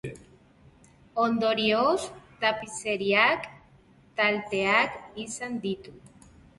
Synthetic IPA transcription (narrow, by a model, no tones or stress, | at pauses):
ond̪o̞ɾiost̪apiseɾiak | t̪alt̪e̞akisand̪it̪u